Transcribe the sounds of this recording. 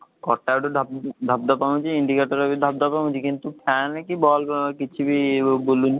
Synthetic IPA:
kɔʈːaoʈod̪ʱap̚d̪ʱap̚d̪ɔpaɦũt͡ɕiiɳɖikeʈɔɾabid̪ʱab̚d̪ɔpaɦũd͡ʑikint̪upʰɛnkibɔlkit͡ɕʰibibolun

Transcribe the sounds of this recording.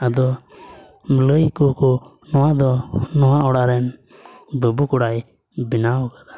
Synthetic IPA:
ad̪ɔ | mələjkɔkɔ | nɔwad̪ɔnɔwaʔɔɽaɾɛn | bəbukɔɽaj | binawkad̪a

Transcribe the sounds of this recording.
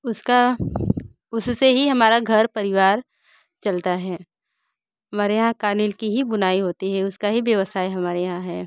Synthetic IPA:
ʊska | ʊsseɦiɦɐmaːɾaɡʱɐɾpɐɾɪʋaːɾ | t͡ʃɐlt̪aɦɛː | ɦɐmaːɾejɦãkaːnɪlkiɦibʊnaːiɦoːt̪iɦɛʊskaɦibjɐʋəsaːiɦɐmaːɾejɐɦãɦɛː

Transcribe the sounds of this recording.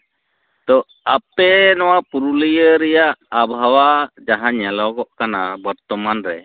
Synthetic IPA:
d̪ɔ | apɛnɔwapuɾuləjəɾɛjaʔabʱawad͡ʒaɦaɲɛlɔkɔʔkanabəɾt̪ɔmanɾɛ

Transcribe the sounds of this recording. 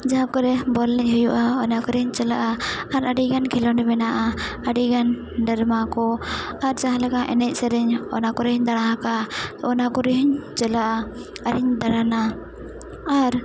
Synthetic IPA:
d͡ʒaɦãkɔɾɛbɔlnɛc̚ɦujuʔaɔnakɔɾɛhɲt͡ʃɛlaʔaaɾaɖiɡankʰɛlɔnɛmɛnaʔaaɖiɡan | ɖɛɾmakɔaɾd͡ʒaɦãlaɡaʔɛ̰nɛc̚ˀsɛɾɛɲɔ̰nakɔɾɛɦɔɲd̪aɽ̃aɦakaɔnakɔɾɛɦiɲt͡ʃɛlaʔa | aɾɛɲd̪aɾana | aɾ

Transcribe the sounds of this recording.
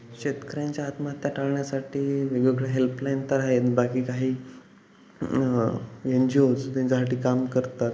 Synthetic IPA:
ɕet̪kəɾjaɲt͡ɕjaɦat̪mat̪jaʈʰaɭɳjasaʈiːʋeɡeɡɭeɦelplajnt̪əɾaɦet̪bakiːkaɦiː | jeɲd͡ʑiːɦot͡s̪t̪jãɲt͡ɕasaʈiːkamkəɾt̪at̪

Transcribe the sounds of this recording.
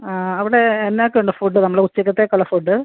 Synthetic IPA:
aːɐʋiɽeːnːjaːkːuɳɖɨfuɖːɨnɐmːɐɭeut͡ɕːɐkːɐt̪ːekoɭɐfuɖːɨ

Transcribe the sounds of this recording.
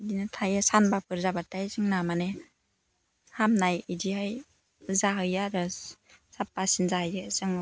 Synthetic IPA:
dinɯtʰajasanbapʰɯɾzabatajzɯŋnamane | hamnajidihaj | zaɦɯjaɾɯ | sap̚ːasinzahɯjdɯazɯŋ

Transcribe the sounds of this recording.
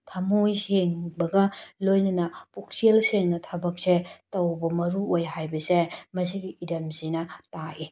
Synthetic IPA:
tʰɐmojseŋbɐɡɐlojnɐnɐpuk̚selseŋnɐtʰɐbɐk̚setɐwbɐmɐɾuojɦajbɐsemɐs̬iɡiʔiɾɐmsinɐtaʔi

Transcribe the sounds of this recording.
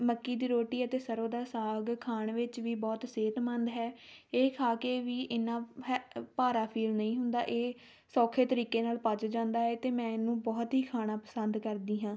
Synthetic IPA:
məkːiːd̪iːɾoːʈiːət̪eːsəɾoːd̪aːsaːɡkʰaːɳʋɪt͡ʃʋiːbɔːt̪seːt̪mənd̪ɦɛːeːkʰaːkeːʋiːʔɪnãːɦɛpaːɾaːpʰiːlnəĩːɦʊnd̪a̰ːʔeː | sɔːkʰeːt̪əɾiːkeːnaːlpaːd͡ʒd͡ʒãːnd̪aːɦɛːt̪eːmɛ̃ːɪnːũːbɔːt̪ɦiːkʰaːnaːpəsənd̪kəɾd̪iːɦãː

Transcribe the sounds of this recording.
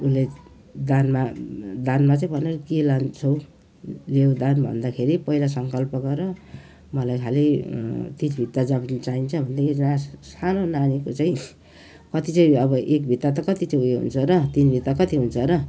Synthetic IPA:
ule | d̪anmad̪anmat͡saĩbʱʌneɾʌkelant͡sʰʌw | lewd̪anbʱʌ̰nd̪akʰeɾipʌɦilas̬ʌŋkʌlpʌɡʌɾʌ | mʌlajkʰalit̪it͡sbʱit̪ːad͡zʌbnt͡saint͡sʰʌbʱʌnd̪akʰeɾid͡znasanonanikot͡saĩ | kʌt̪it͡saĩʌbʌʔek̚bʱit̪ːat̪̬ʌkʌt̪it͡saĩueɦṵnt͡sʰʌɾʌt̪inbʱit̪ːakʌt̪iɦunt͡sʰʌɾʌ

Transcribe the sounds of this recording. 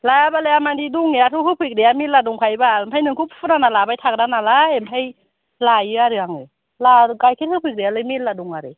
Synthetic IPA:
lajabalɯjamandiduŋeatʰɯɦɯpʰɯjk̚dejamitladuŋpʰajbampʰajnɯŋkʰupʰpʰɯnanalabajtʰak̚danalaempʰaj | lajɯaɾɯaŋɯ | laɡajkʰet̚hɯpʰɯk̚ɾealɯjmitladuŋaɾɯ

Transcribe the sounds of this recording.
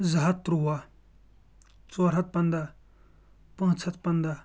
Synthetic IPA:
zaɦat̪̚ːɾuwa | t͡soɾɦat̪̚pand̪a | pəŋt͡sʰat̪̚pand̪a

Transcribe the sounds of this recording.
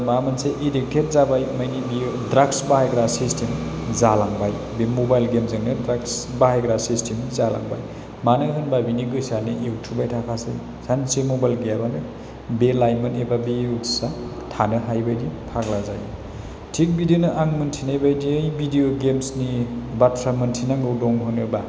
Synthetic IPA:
mamɐnseʔidik̚tʰet̚zabajmɐjnibijodɾaksbahajɡɾasistʰim | zalaŋbaj | bemobajlɡemzɯŋnɯdɾaksbaɦajɡɾasistimizala̰ŋba̰j | manɯɦɯnbajbiniɡɯjsaniʔewtʰubajtʰakʰasḛj | sansemobajlɡeabanɯ | belajmɯnebabeusa | tʰanɯɦajbajdipʰaɡlazaj | tʰik̚bidionɯʔaŋmɯntʰinajbajdijbidioɡemsnibatʰɾamɯntʰinaŋɡɯwdɔŋɦɯnɯba

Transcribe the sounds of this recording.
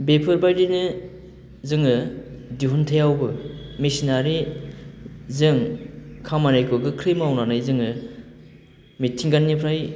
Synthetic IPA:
bepʰɯɾbajdinɯ | zɯŋɯdiɦuntʰejawbɯmisinaɾi | zɯŋkʰamanajkʰɯɡɯkʰɾimawnanɯjzɯŋɯ | mitʰiŋɡanːipʰɾaj

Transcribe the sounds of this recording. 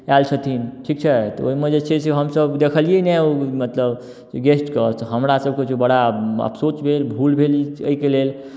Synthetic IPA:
alt͡ʃʰət̪ʰinʈʰik̚t͡ʃʰɛt̪ɔoɦimed͡ʒet͡ʃʰeseɦəmsəbd̪ekʰəlijenɛomət̪ləb | eɡesʈkət̪ɔɦəmɾasəb̚ʱket͡ʃʰebəɽaə̰psot͡ʃbʱelbʱulbʱeliəikelel

